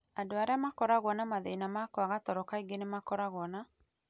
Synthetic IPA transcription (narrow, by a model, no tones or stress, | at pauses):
adoaɾeamakɔɾaɣwɔnamaðeinamakɔaɣatɔɾɔkaiɡenemakɔɾaɣwɔna